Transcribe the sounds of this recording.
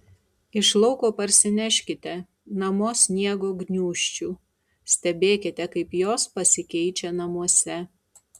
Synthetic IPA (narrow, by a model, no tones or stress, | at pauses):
ɪʃlˠɒʊkoːpɐɾʲsʲɪnʲɛʃʲkʲɪt̪ʲɛ | nɐmoːsʲnʲiɛɡoːɡnʲuːʃʲt͡ʃʲuː | sʲt̪ʲɛbʲeːkʲɪt̪ʲɛkɐɪpjoːspɐsʲɪkʲɛɪt͡ʃʲɛnɐmuɔsʲɛ